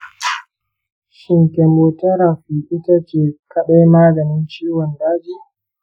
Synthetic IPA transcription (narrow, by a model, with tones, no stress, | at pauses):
ʃɪ˨ŋkʲe˨moː˨tɐ˦ɾa˨ɸiː˨ʔɪ˦ta˦t͡ʃeː˨kɐ˦ɗa˦jmaː˦ɡɐ˨nɪ˦nt͡ʃiː˦wɔ˨ndaː˦d͡ʒiː˦˨